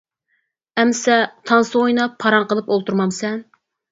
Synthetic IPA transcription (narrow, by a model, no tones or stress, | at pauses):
ɛmsɛt̪ʰɑnsɨojnɑpʰːɑɾɑɴqəlˠɨpolˠt̪uɾmɑmsɛn